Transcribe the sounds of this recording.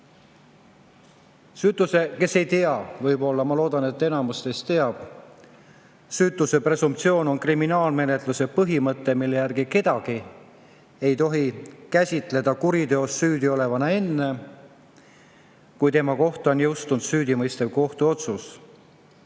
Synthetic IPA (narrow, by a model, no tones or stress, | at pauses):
syːt̪ˑːuse̞ke̞se̞jt̪e̞ɑvɤjbo̞lːɑmɑlo̞ːd̪ɑne̞t̪ːe̞nɑmust̪est̪e̞ɑb̥ | syːt̪ˑuse̞pre̞sumpt̪sio̞ːno̞nkriminɑːlme̞net̪ˑluse̞pɤɦimɤt̪ːˑe̞milːe̞jærɡ̥ike̞d̪̥ɑɡ̥i | ejt̪o̞ɦikæsʲit̪ˑle̞d̪̥ɑkuɾid̪ø̞o̞sːyːd̪io̞le̞vɑnee̞nːe̞ | kujt̪e̞mɑko̞ht̪o̞njɤwst̪und̪̥syːd̪imɤjst̪evko̞ht̪uo̞t̪sus